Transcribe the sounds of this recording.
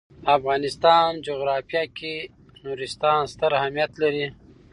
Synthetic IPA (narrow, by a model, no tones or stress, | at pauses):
afɣɑːnɪst̪ɑnd͡ʒoɣɾɑfijaki | nuɾist̪ɑːnst̪əɾahamijat̪laɾi